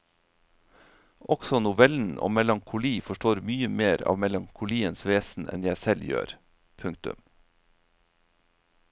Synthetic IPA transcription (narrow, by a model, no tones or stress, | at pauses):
ʔɔɡ̥sɔnʊʋɛln̩ʔo̰ːmɛlɑŋkʰʊliːfɔʃʈoːɾmyːəmeːɾɑ̰ːʋmɛlɑŋkʰʊliːənsʋeːsn̩ʔɛ̰njæɪsɛljø̰ːɾ | pʰʉŋt̪ʉ̰m